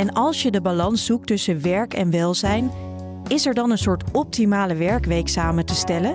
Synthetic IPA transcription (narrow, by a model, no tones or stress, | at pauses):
ɛnɑlˠsjədəbalɑnsuk̚tɵsəʋɛɹkɛnʋɛlˠzɛjn | ɪsɛɹdɑnənsʊːɹtɔp̚timaːləʋɛɹkʋejksaːmətəstɛlən